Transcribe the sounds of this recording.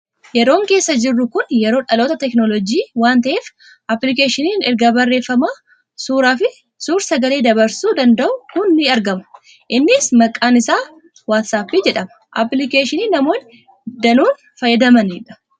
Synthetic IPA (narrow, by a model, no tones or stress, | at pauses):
jɛɾo̞ːŋkeːsːɐd͡ʒɪrːʊkʊnjɛɾo̞ːᶑɐlo̞ːt̪ɐt̪ɛknɔlɔd͡ʒiːwaːnt̪ɐʔeːf | ʔɐplɪkeːʃɪniːnɛɾɡɐbɐrːe̞ːfːɐmaː | suːɾaːfɪ | suːɾsɐɡɐleːd̪ɐbɐɾsuːd̪ɐnd̪ɐʔʊkʊnːɪɐɾɡɐmʊ̥ | ʔɪnːɪsmɐkʼːaːnɪsaː | waːt̪saːpːɪd͡ʒɛᶑɐmɐ | ʔɐplɪkeːʃɪniːnɐmo̞ːn | d̪ɐnuːn | fɐjɐd̪ɐmɐniᶑɐ̥